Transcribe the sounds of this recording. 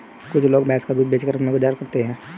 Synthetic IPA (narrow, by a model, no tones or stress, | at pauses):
kʊt͡ʃʰloːɡbɛːskad̪uːd̪̚beːt͡ʃkəɾɐpneɡʊd͡ʒaːɾkɐɾt̪eɦɛ̃ː